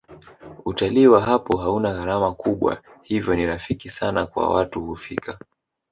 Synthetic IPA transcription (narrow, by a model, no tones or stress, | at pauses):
utaliːwaɦapɔɦaunaɣaɾamakuɓwa̰hivjɔniɾafikisanakwa̰watuhufikʰa